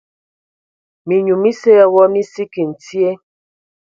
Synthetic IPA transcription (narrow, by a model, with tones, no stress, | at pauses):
mi˨ɲu˨mi˦se˦a˦wɔ˦ni˦si˦ki˨n̩˨ti˦e˦